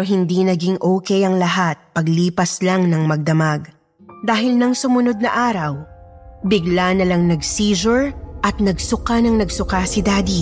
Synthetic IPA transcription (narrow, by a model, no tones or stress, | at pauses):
ɦɪnd̪inɐɡiŋʔoːkɛjɐŋlɐɦat̪̚pɐɡliːpɐslaŋnɐŋmɐɡ̚d̪ɐmaɡ | d̪aːɦɪlnɐŋsʊmʊno̞d̪̚nɐʔaːɾɐwbɪɡlanɐlɐŋnɐɡsiːzʊɹʔɐt̪̚nɐɡsʊkanɐŋnɐɡsʊkasɪd̪aːd̪i